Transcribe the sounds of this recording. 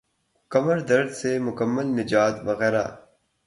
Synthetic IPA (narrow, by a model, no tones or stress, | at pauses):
kɐməɾd̪ɐɾd̪semʊkɐmːɐlnɪd͡ʒaːt̪ʋɐɣɛːɾa̰ː